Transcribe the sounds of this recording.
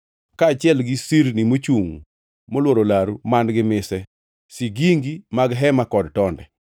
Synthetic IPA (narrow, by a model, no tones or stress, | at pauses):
kaːt͡ʃɪɛlɡɪsiɾnimot͡ʃuŋ | molwoɾolaɾumandɡɪmɪsɛ | siɡiŋɡimaɡɦɛmakɔdtɔndɛ̰